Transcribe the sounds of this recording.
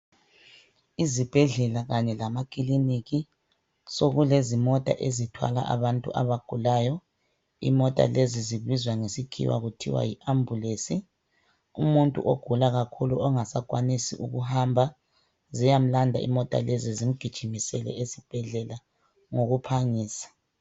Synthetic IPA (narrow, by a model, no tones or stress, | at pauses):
izib̥ʱɛɮɛlaɣaɲɛlamakʼiliniɣi | soɣulezimɔtʼa̰ʔezitʰwa̰la̰ʔa̰βantʼṵʔa̰βaɡ̥ʱulaːjɔ | ḭmɔtʼa̰leziziβizwaŋesikʰḭwa̰ɣutʰḭwa̰jiʔambʱulesi | ṵmuntʼṵʔoɡ̥ʱulaɣakʰulṵɔŋasakʼwanisḭʔuɣuhambʱa | zijam̩landʱa̰ḭmɔtʼa̰lezizim̩ɡ̥ʱid̥ʒ̥ʱimisɛlɛ̰ezib̥ʱɛɮɛla | ŋoɣupʰaŋiːsḁ